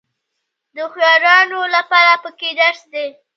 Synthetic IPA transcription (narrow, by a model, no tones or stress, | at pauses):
d̪əxjɑɾɑnolapɑɾapəked̪aʂd̪e